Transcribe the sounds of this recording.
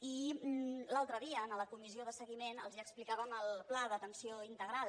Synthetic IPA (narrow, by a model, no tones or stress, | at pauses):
i | lalˠt̪ɾəðiəːnələkumizioðəsəɣimenəlˠzəksplikaβəməlˠplaðət̪ənsioint̪əɣɾal